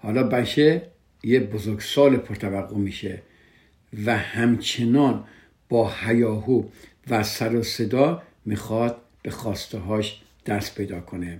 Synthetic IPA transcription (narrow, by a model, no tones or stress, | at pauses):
hɒːlɒːbæt͡ʃʰe | jebozoɾɡsɒːlepʰoɾt̪ʰævæɡːomiːʃe | væhæmt͡ʃʰenɒːn | b̥ɒːhæjɒːɦuː | væsæɾose̞d̪ɒː | miːxɒd̪̥̚ | b̥e̞xɒːst̪eɦɒːʃ | d̪̥æɾspʰejd̪ɒːkʰone